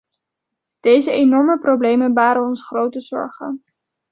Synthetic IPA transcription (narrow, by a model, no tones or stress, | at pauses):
d̥ejzəenɔɹməprowblejmənbaːɾənɔnsχrowtəzɔ̰ɹχən